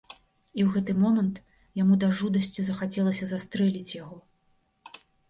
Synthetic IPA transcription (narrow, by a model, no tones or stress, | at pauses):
iwɣɛt̪ɨmɔmɐnt̪ | jamud̪ɐʐud̪ɐsʲt͡sʲizɐxat͡sʲɛlˠɐsʲɐzast̪ɾɛlʲit͡sʲjaɣɔ